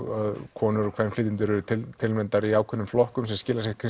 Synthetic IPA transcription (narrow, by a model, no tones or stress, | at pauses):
aðkʰɔːnʏɾɔkʰvɛnflɪːt̪ɪnt̪̬ʏɾɛɾʏt̪ʰɪlt̪ʰɪlmɛnt̪aɾiaːwkʰʏnːʏmflɔhkʏmsɛmscɪːlasɛhkʰ